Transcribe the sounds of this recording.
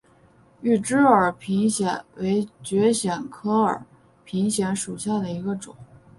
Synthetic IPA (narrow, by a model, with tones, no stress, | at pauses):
y˥˩ʈ͡ʂɻ̩˥ə˞˨˩pʰi˧˥ŋɕjɛ̰˨˩˦nwe˧˥ɪt͡ɕɥɛ˧˥ɕjɛ˨˩nkʰɤ˥ə̰˞˨˩˦ | pʰi˧˥ŋɕjɛ˧˥nʂu˨˩ɕja˥˩d̪ə˩i˧˥ɡə˧ʈ͡ʂʊ̰˨˩˦ŋ